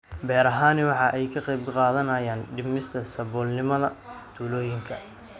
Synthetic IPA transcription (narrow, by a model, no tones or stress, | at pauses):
bɛːɾɐɦaːnɪwɑħɑʔɛjkʰɐqɛjbqɑːðɐnɐːjaːnɖɪmɪst̪ʰɐsɐβɔːlnɪmɐðɐt̪ʰuːlɔːjɪŋkʰɐ